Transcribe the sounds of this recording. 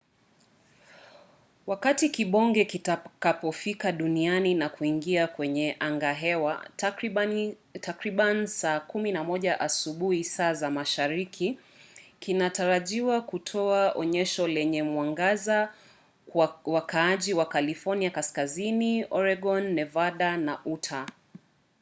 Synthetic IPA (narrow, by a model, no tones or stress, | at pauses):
wakatikiɓɔŋɡɛkitakapɔfikaɗunianinakuiŋɡiakwɛɲɛʔaŋɡaɦɛwa̰ | tʰakɾiɓanisaːkuminamɔʄaʔasuɓuhisaːzamaʃaɾikʰi | kinataɾaʄiwakutʰɔaʔɔ̰ɲɛʃɔlɛɲɛmwaŋɡaza | wwakaaʄiwakalifɔniakaskaziniɔɾɛɡɔnːɛvaɗanaʔutʰa